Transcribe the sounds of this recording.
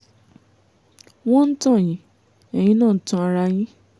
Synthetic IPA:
w̃ɔ̃˦n̩˦tɔ̃˦˨j̃ĩ˨˦ | ɛ˨j̃ĩ˦nãː˦˨n̩˦tũ˧˦a˧ɾa˧j̃ĩ˦

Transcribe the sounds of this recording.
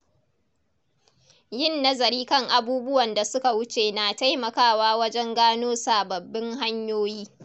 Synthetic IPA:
jɪ˦˨nːɐ˦zɐ˨ɾiː˦kɐ˦˨ŋʔa˨buː˦bʊ˦wɐ˨nda˨sʊ˦ka˨wʊ˦t͡ʃeː˨naː˨ta˦jmɐ˨kaː˦waː˦wɐ˦d͡ʒɛ˦ŋɡaː˦noː˦saː˨bɐ˨bːɪ˦ŋɦa˦ɲjoː˦jiː˦

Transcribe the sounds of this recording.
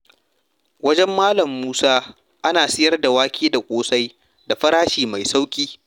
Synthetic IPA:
wɐ˦d͡ʒɛ˦mːaː˦lɐ˨mːuː˦saː˦ | ʔa˦naː˨sɪ˦jɐ˦rda˨waː˦kʲʰiː˦da˨kʷʼoː˦sa˦j | da˨ɸɐ˦ɾaː˦ʃiː˨ma˨jsa˦wkʲʼiː˦

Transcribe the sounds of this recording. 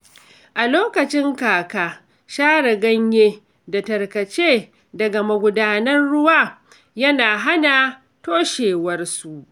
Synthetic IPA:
ʔa˨loː˦kɐ˨t͡ʃɪ˦ŋkaː˨kaː˦ | ʃaː˦ɽɐ˨ɡɐ˦ɲjeː˦ | da˨tɐ˨rkɐ˨t͡ʃeː˦ | dɐ˨ɡa˨mɐ˨ɡʷʊ˨daː˦nɐ˦nɽʊ˦waː˦˨ | jɐ˦naː˨ɦa˦na˨ | toː˦ʃeː˨wɐ˦rsu˨ʔ

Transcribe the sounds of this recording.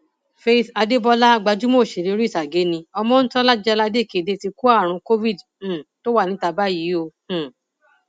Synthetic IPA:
fe˧˨ta˧de˦bɔ˧la˦˧ɡ͡ba˧d͡ʒu˦mo˦˨ʃe˨ɾi˨˧˦ɾi˦˨ta˨ɡe˨˦nĩ˧ɔ˧mɔ̃˧˦n̩˦tɔ˦la˦d͡ʒɛ˦˧la˧de˦˨ke˨˧˨de˧ti˧ku˦a˦˨ɾ̃ũ˧ko˦vi˦˨d̩̃˦˨ | to˦wa˦˨nĩ˨˦ta˧ba˦˨ji˨˦õ˧˨

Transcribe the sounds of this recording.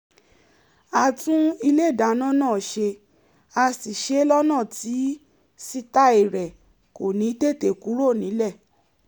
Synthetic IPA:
a˨tũ˦i˧le˦˨da˨˦nã˦nãː˦˨ʃe˧ | a˧si˨ʃe˨˦lɔ˦nãː˦˨ti˨˦ | si˧ta˧i˨ɾɛ˨ | ko˨nĩ˨˦te˦˨te˨ku˨˦ɾo˦˨nĩ˨˦lɛ˦˨

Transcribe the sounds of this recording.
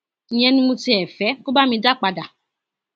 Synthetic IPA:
ĩ˨jɛ̃˧nĩ˧mũ˧ti˧˦ɛ˨fɛ˨˦ko˦ba˦mĩ˧da˦˨k͡pa˧da˨

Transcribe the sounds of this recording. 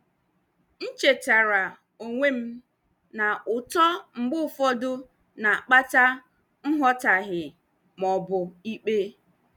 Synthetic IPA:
n̩˦t͡ʃe˨ta˨ɾa˨ | o˨ŋʷe˦m̩˦ | na˨ʊ˨tɔ˦ŋ͡m̩˨ɡ͡bʊ˦˨fɔ˦dʊ˦ | na˨k͡pa˦ta˦ | ŋ̩˦ɦɔ˦ta˨ɦɪ˨ | mɔ˨bʊ˨i˦k͡pe˦

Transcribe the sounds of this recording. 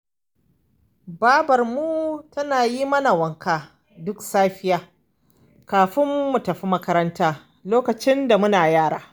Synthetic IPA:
baː˦bɐ˨rmuː˦tɐ˦naː˨ji˦mɐ˦na˨wɐ˨ŋkaː˨ | dʊ˦ksaː˦ɸɪ˦jaː˦ | kaː˨ɸɪ˦mːu˨tɐ˨ɸi˦mɐ˦kɐ˦ɾɐ˦ntaː˦ | loː˦kɐ˨t͡ʃɪ˦nda˨mʊ˦naː˨jaː˦˨ɽa̰ː˦

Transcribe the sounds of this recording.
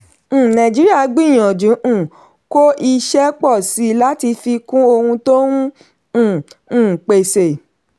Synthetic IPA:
nã˨d͡ʒi˨˦ɾi˦a˦˨˦ɡ͡bĩ˦˨j̃ɔ̃˨d͡ʒũ˨˦ʔ̩˦˨ | ko˦ʔi˧ʃɛ˦k͡pɔ˦˨si˨˦la˦ti˧fi˧kũ˦o˧hũ˧to˦wũ˦˨ | k͡pe˨se˨

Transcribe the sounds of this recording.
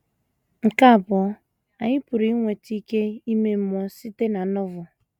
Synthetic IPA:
ŋ̩˨ka˦˨bɔ˨˦ | a˨ɲɪ˦pʊ˨ɾi˦ŋʷe˨ti˦ke˦i˦me˦m̩˦mɔ˦si˦te˦na˨˦nʊ˦vʊ˨

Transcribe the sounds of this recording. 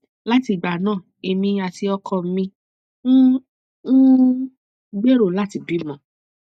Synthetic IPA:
la˦ti˧˨ɡ͡ba˨nãː˦˨ | e˧mĩ˧˦a˧ti˧˦ɔ˧kʰɔ˧m̩˦mĩ˧ | n̩˦ | u˦ | ɡ͡be˦ɾo˦˨la˦ti˧˨bi˨˦mɔ̃˨˦

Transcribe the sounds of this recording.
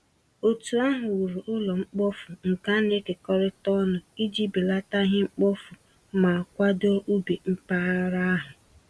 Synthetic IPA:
o˨tu˨a˦ɦʊ˨wu˨ɾu˨ʔʊ˦lɔ˨ŋ͡m̩˦k͡pɔ˦fʊ˨ŋ̩˨ka˦n̩˦e˦ke˨kɔ˦ɾɪ˦tɔ˦nʊ˨i˦d͡ʒi˦bi˨la˦ta˦ɦɪ˦ŋ͡m̩˦k͡pɔ˦fʊ˨ | ma˨a˨kʷa˦dɔ˦ʔu˦be˨ŋ͡m̩˦pa˦ɾa˦a˦ɦʊ˨

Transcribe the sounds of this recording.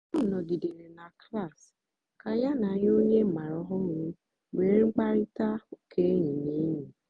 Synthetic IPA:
ɔ˦˨nɔ˨ɡi˨de˨ɾe˨na˨kla˦˨s | ka˨˦ja˦na˨˦ɲ˦o˦ɲe˦˨ma˨ɾɔ˨˦ɦɔ˦ɾũ˦ | we˨ɾi˦k͡pa˦ɾi˦ta˦o˦kʰe˦ɲĩ˨ne˨˦ɲĩ˨

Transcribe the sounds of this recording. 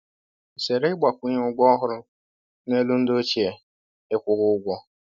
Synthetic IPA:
se˨ɾe˦ɡ͡ba˨kʷu˦ɲe˦ʊ˦ɡ͡bʷɔ˦ɦʊ˦ɾʊ˦ | ne˦lu˦n̩˦do˦t͡ʃe˨ | ɪ˦kʷʊ˨˦ɣʊ˦ʊ˦ɡʷɔ˦

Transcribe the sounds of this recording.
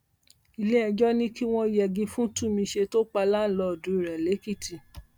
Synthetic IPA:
i˨le˦ɛ˧d͡ʒɔ˦nĩ˦ki˦w̃ɔ̃˦i˨˦jɛ˨ɡĩ˧fũ˦tũ˦˨mĩ˧ʃe˧to˦k͡pa˧la˦n̩˦˨lɔ˧ɔ˨dũ˨˦i˦˨ɾɛ˨le˨˦ki˦˨ti˨

